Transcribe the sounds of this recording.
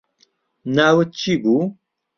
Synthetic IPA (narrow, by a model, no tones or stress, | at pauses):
naːwət̚t͡ʃibu